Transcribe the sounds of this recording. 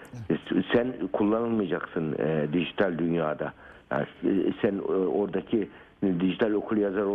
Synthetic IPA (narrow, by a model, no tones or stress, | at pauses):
sænkʰulˠːanɯlˠmɯjad͡ʒaksɯnd̪iʒit̪ʰalʲd̪ynjaːd̪aja̰sæno̞ɾd̪acʰi | d̪iʒit̪ʰalʲo̞kʰulˠjazaɾo